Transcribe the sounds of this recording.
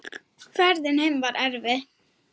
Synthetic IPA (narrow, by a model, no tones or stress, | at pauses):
fæɾd̪ənhɛmʋɑːɾʔæɾʋə